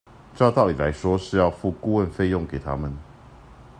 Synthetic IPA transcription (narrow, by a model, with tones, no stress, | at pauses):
ʈ͡ʂʊt̪ɑ˥˨ʊli˨˩la˧˦ɪʂwɔ˥ʂɻ̩˥˧jɑ˥˧ʊfu˥˧ku˥˧wə˥˨nfe˥˧ɪjʊ˥˨ŋke˨˩ɪt̪ʰa˥mə˨n